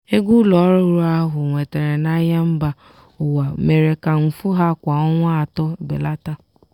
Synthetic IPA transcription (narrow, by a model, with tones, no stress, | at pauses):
e˦ɡʷu˦lɔ˨˦ɾʊ˦ɾu˦a˦ɦʊ˨ŋʷe˨te˨ɾe˨na˦ja˦m̩˦ba˦ | ʊ˨wa˨me˨ɾe˨ka˨m̩˨fʊ˦ɦa˦kʷa˨ɔ˦ŋʷa˦a˨tɔ˦be˨la˦ta˦